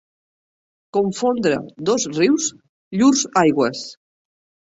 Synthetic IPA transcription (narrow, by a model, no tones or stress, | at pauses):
koɱfond̪ɾə̰d̪ɔzriwz | ʎuɾzajɣwəs